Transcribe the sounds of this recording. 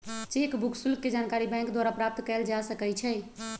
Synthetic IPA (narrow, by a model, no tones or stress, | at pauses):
t͡ʃekbukʰsulkːed͡ʒankaɾibɛ̃ŋkd̪waɾapɾap̚t̪kɛld͡ʒasəkɛt͡ʃʰɛ